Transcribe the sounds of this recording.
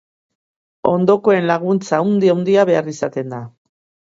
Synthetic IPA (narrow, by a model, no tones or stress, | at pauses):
o̞nd̪o̞ko̞e̞nlaɣunt͡saːwnd̪iawnd̪iaβe̞arisat̪e̞nd̪a